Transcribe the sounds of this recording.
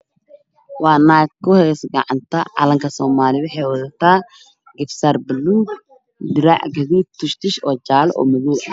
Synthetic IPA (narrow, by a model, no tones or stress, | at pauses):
waːnaːɡkːʊhɛːsɡɐ̰ʕant̪ʰɐʕɐ̰lɐŋkʰɐsɔːmaːlɪβɛħɛwɐðɐt̪a | ɡɪfsɐɾbɪlːuɡ | d̪ɪɾa̰ʕɡɐðiːt̪ʰːʊʃt̪ɪʃɔːd͡ʒaːlɔ̰ːmɐðuːɐ